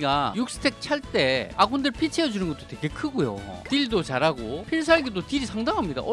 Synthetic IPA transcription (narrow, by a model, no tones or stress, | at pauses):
ɡajuk̚s͈ɯ̥tʰe̞k̚t͡ɕʰaɭt͈e̞aɡundɯɭpʰit͡ɕʰeʌd͡ʑunɯnɡʌt͈oteɡe̞kʰɯɡojo̰tiɭdot͡ɕaɾaɡopʰiɭs̬ʰaaɭɡedotiɾisʰaŋdaŋɦamɲida̰ʔʌ